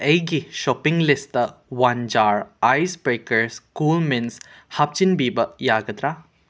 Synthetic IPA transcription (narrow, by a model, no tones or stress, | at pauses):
ejɡiʃɔpiŋɡlist̪əwand͡ʒaːɾajsbɾekɐɾskuːlminshap̚t͡ʃinbiːbɐjaːɡɐt̪ɾa